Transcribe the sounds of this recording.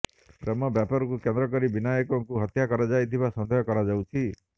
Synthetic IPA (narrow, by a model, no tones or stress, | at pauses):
pɾemɔbjapaɾɔkukend̪ɾɔkɔɾibinajɔkɔŋkuɦɔt̪jakɔɾad͡ʒajt̪ʰibasɔnd̪ʱɔjɔkɔɾad͡ʒawt͡ʃʰi